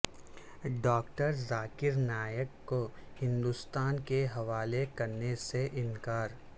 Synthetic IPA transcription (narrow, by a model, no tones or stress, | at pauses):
ɖɔːkʈəɾzaːkɪɾnaːjəkːohɪ̃nd̪ʊst̪aːnkeɦɐʋaːlekɐɾneseʔɪnkaːɾ